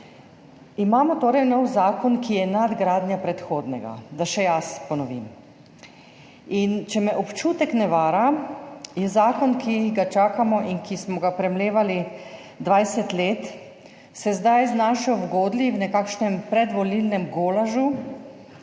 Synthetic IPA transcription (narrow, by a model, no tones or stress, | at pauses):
imaːmɔt̪oːɾɛjnɔwzaːkɔnkijɛnad̪ɡɾaːd̪njapɾɛt̪xoːd̪nɛɡa̰d̪aʃɛjaspɔnɔʋḭm | int͡ʃɛmɛʔɔpt͡ʃuːt̪ɛknɛʋaːɾa | jɛzaːkɔnkʰiɡat͡ʃaːkamɔʔinkismɔɡapɾɛmleːʋali | d̪ʋajsɛt̪leːt̪ | sɛzd̪ajznaːʃajɔwɡoːd̪liwnɛkaːkʃnɛmpɾɛd̪ʋɔlilnɛmɡoːlaʒu